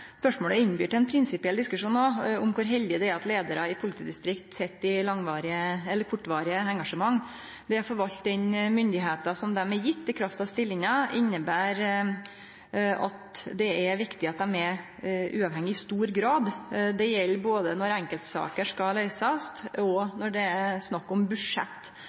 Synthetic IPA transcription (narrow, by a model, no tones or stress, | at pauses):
spœʂmoːləɪnːbyːʈɛnpʰɾɪnsɪpɪɛld̪ɪskʉʂuːnoʊmkʰʊɾɦɛld̪ɪəd̪ɛæɾɑt̪leːd̪əɾɑɪpʰʊlɪt̪ʰiːd̪ɪst̪ɾɪkt̪sɛt̪ːɪlɑŋʋɑːɾɪəɛlːəɾkʰʊʈːʋɑːɾɪəɛŋɡɑʂəmɑŋː | d̪ɛæɾfɔɾʋɑlt̪̚d̪ɛnmʏnd̪ɪɦeːt̪ɑsɔmd̪ɛmɛjɪt̪ːɪkʰɾɑft̪ɑʋst̪ɪlːɪŋɑʔɪnːəbæːɾ | ɑ̰t̪d̪ɛæʋɪkt̪ɪɑt̪̚d̪ɛmɛ | ʔʉːɑʋhɛŋːɪɪst̪uːɾɡɾɑːd̪d̪ɛjɛlːəboːd̪ənɔɾɛŋkəlt̪sɑ̰ːkəʂkɑlœʏsɑst̪ɔnɔɖɛæsnɑkːɔmbʉʂɛ̰t̪ː